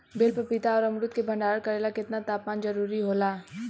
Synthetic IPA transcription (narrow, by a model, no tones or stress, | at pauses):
beːlpəpɪt̪aɔːɾɐmɾʊt̪̚kebʱɐ̃ɳɖaːɽkɐɾeːlakɪt̪nat̪aːpaːnd͡ʒɐɾuːɾiɦoːlaː